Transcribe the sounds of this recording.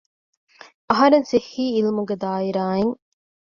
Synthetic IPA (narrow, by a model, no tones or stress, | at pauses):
ɐɦɐɾensehːiːlimuɡed̪aːiɾaːeŋ